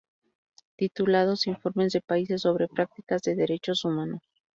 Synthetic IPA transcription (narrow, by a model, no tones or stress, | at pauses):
t̪it̪ulað̞o̞siɱfo̞ɾme̞zðe̞paise̞sːo̞βɾe̞pɾak̚t̪i̥kazðe̞ðe̞ɾe̞t͡ʃo̞sumãnos